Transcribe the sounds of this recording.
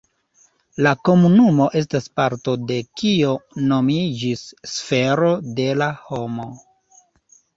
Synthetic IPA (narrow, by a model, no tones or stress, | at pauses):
lako̞munumo̞ʔe̞s̬taspaɾto̞de̞kio̞no̞mid͡ʒisːfe̞ɾo̞de̞lahomo̞